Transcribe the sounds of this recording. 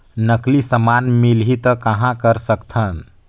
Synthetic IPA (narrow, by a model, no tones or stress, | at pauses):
nəklisəmanmilɦit̪əkəɦãkəɾsəkt̪ʰən